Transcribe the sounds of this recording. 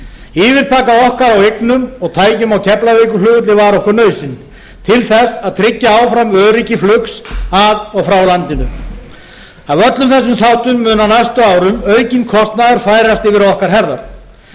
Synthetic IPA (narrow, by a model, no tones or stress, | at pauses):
iːvɪɾ̥t̪ʰaːkaɔhkaɾaweknʏmɔɣt̪ʰaːjcʏmawcʰɛplavɛːkʏlʏːɣʏt̪lɪvaɾɔhkʏɾnœːɥsɪn | t̪ʰɪlθɛsaðt̪ʰɾɪcːaaːwfɾamœːðɾicɪflʏksaðɔɣfɾawlant̪ɪnʏ | avœt̪lʏmθɛs̬ːʏmθawht̪ʏmːʏːnanajst̪ʏaːwɾʏmœɥcɪnkʰɔst̪naðaɾ̥faːjɾast̪ɪvɪɾɔhkaɾ̥ɦɛɾða̰ɾ̥